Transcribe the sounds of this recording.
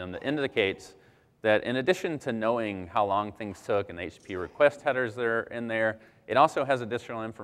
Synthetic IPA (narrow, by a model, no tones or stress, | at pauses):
ɨ̃mðɨ̰ɾʔɪ̃ndɨkʰeɪts | ðɨɾʔɨ̰̃ñɨdɪʃɨ̃ntʰɨnoʊɪ̃ŋhaʊlɔ̃ŋθɪ̃ŋz̥tʰʊkɨ̃neɪt͡ʃpʰiɹɨkʰw̥ɛst̚hɛɾə˞zðə˞ɪ̃nðə˞ | ʔɨɾɔlˠsoʊɨzɨdɪsɹl̩ˠɪ̃ɱfə